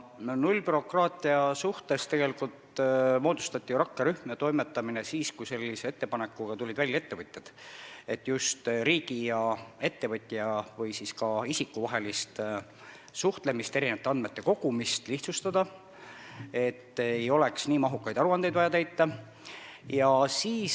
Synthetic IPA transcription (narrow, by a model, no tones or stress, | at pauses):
nulʲːpyɾo̞krɑːt̪ˑiɑsuht̪e̞st̪e̞ɡ̥e̞likult̪mo̞ːd̪ust̪ɑt̪ʲːˑijuɾɑkːeɾyhmet̪o̞jmet̪ːˑɑminesiːskujse̞lʲːise̞et̪ːe̞pɑnekːˑuɡ̥ɑt̪ulʲːid̪̥vælʲːɑe̞t̪ːe̞vɤt̪ʲːed̪̥e̞t̪ːˑjust̪ɾiːɡ̥ijɑe̞t̪ːe̞vɤt̪ʲːˑiɑvɤjsiskɑisikːuvɑɦe̞list̪ | suht̪le̞mist̪e̞ɾinevɑt̪ːˑeɑnd̪me̞t̪ːe̞ko̞ɡ̥umist̪liht̪sust̪ɑd̪̥ɑ | e̞t̪ːejo̞le̞ksniːmɑɦukːˑɑjd̪̥ɑɾuɑnd̪ejd̪̥vɑjɑt̪æjt̪ːˑɑ | jɑsiːs